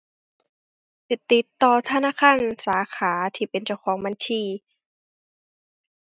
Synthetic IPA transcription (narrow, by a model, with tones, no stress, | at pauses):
t̪i˨˧˩t̪ːi˧˦t̪ːɔː˧t̪ʰa˧˨naː˧˥˨kʰaː˧˥˨nsaː˨˦xʰaː˩˦t̪ʰiː˧˩pe˨nt͡ɕa˧˩wkʰɔː˨˦ŋma˧˥nt̪ʰiː˧˩